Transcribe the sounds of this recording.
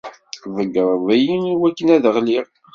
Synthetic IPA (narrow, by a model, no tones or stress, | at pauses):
vəɡəɾˤvæjiniwækːənæðəʁliɾ